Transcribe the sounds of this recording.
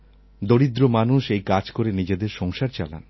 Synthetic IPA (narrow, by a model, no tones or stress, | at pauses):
d̪oɽid̪ɾomanuʃejkad͡ʑkoɾenid͡ʑed̪eɾʃɔŋʃaɾt͡ɕa̰la̰n